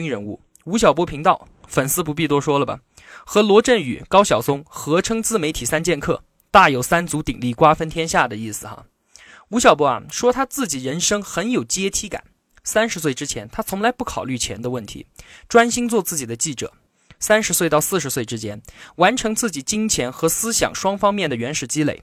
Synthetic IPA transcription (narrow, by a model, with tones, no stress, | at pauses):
ŋɻə˧˥nu˥˩ | u˧˥ɕ̬jɑ˨˩ʊp̬wɔ˥pʰi˧˥ŋt̪ɑ˥˩ʊ | fə˨˩nsɹ̩˥pu˧˥p̬i˥˩t̪wɔ˥ʂwɔ˥lə˨˩bɐ̰˨˩ | xɤ˧˥lwɔ˧˥ʈ͡ʂə˥˩ny̰˨˩kɑ˥ʊɕjɑ˨˩ʊsʊ˥ŋxɤ˧˥ʈ͡ʂʰɤ˥ŋt͡sɹ̩˥˩me˧˥ɪt̪ʰi˨˩sa˥nt͡ɕjɛ˥˧nkʰɤ̰˥˩ | t̪a˥˩jo˨˩ʊsa˥nt͡su˧˥t̪ḭ˨˩ŋli˥˩kwa˥fə˥nt̪ʰjɛ˥nɕja˥˩d̪ə˩i˥˩sɹ̩˨˩xɐ̰˧˩ | u˧˥ɕjɑ˨˩ʊp̬wɔ˥a̰˧ʂwɔ˥t̪ʰa˥t͡sɹ̩˥˩t͡ɕi˨˩ɻə˧˥nʂɤ˥ŋxə˧˥njo˨˩ʊt͡ɕɛ˥t̪ʰi˧˥ka̰˨˩˦n | sa˥nʂɻ̩˧˥s̬we˥˩ɪʈ͡ʂɻ̩˥t͡ɕʰjɛ˧˥nt̪ʰa˥t͡sʰʊ˧˥ŋla˧˥ɪpu˥˩kʰɑ˨˩ʊly˥˩t͡ɕʰjɛ̰˧˥nd̪ə˧wə˥˩nt̪ʰḭ˧˥ʈ͡ʂwa˥nɕi˥nt͡swɔ˥˧t͡sɹ̩˥˩t͡ɕi˨˩d̪ə˦t͡ɕi˥˩ʈ͡ʂɤ̰˨˩˦ | sa˥nʂɻ̩˧˥swe˥˧ɪt̪ɑ˥˧ʊsɹ̩˥˩ʂ̬ɻ̩˧˥swe˥˩ɪʈ͡ʂɻ̩˥t͡ɕʰjɛ˥nwa˧˥nʈ͡ʂʰɤ˧˥ŋt͡sɹ̩˥˩t͡ɕi˨˩t͡ɕi˥ŋt͡ɕʰjɛ˧˥nxɤ˧˥sɹ̩˥ɕjɑ̰˨˩ŋʂwɑ˥ŋfɑ˥ŋmjɛ˥˩nd̪ə˩ɥɛ˧˥nʂɻ̩˨˩t͡ɕi˥lḛ˧˩ɪ